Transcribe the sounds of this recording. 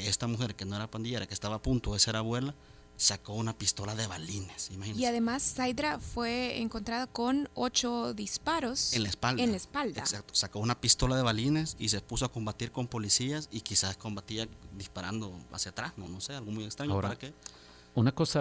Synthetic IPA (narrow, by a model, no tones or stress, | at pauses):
est̪amuxe̞ɾke̞no̞eɾapand̪iʝe̞ɾakest̪aβaːpunt̪oðeseɾaβwe̞la | sakounapist̪o̞laðe̞βaline̞simaxiniaðemasːajd̪ɾafwe̞ḛŋkont̪ɾaðako̞not͡ʃoðispaɾosenlaespaldeaanlaespald̪eaksak̚t̪o̥sako̞unapist̪o̞laðe̞βaline̞sis̬e̞pusoako̞mbat̪iɾko̞mpo̞lisiasikisasko̞mbat̪iad̪ispaɾand̪o̞a̰sjat̪ɾahnono̞se̞alɣomujekst̪ɾaɲoɾaɾake | unakosa